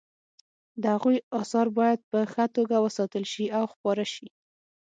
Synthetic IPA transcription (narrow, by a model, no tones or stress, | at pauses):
d̪əhaɣujɑsɑɾbɑjad̪̚pəxat̪oɡawəsɑt̪əlʃiawxpɑɾaʃi